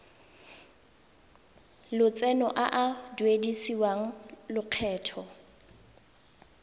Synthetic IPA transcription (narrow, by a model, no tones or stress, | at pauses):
lʊt͡sʼɛnɔʔaʔadwedisiwaŋ̩lʊq͡χʰɛːtʰɔ